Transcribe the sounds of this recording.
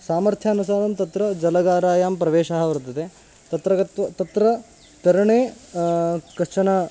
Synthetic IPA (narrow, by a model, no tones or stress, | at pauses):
saːmɐɾt̪ʰjaːnusaːd̪ɐmt̪ɐt̪ɾɐd͡ʒɐlɐɡaːɾaːjaːmpɾɐʋeːʃaːɦɐʋɐɾɐt̪ːɐt̪eː | t̪ɐt̪ɾɐɡɐt̪ʋɐt̪ɐt̪ɾɐ | t̪ɐɾɐɳeː | kɐʂt͡ʃɐnɐ